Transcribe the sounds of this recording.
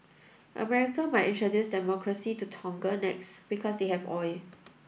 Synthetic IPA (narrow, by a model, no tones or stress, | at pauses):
ʔə̰mɛɹikə̃maɪtĩntɹədjusdɛmɔkʰɹəsitutʰɔ̃ŋɡənɛksb̥ikʰɔsdehɛvɔɪ